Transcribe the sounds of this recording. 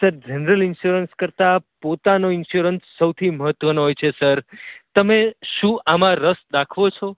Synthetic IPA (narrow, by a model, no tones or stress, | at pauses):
səɾd͡ʒənəɾəlɪnʃuɾənskəɾt̪apot̪anoɪnʃuɾənsːəwt̪ʰiməɦət̪ʋənoɦojt͡ʃʰesəɾt̪əmeʃũʔamãɾəsd̪akʰʋot͡ʃʰo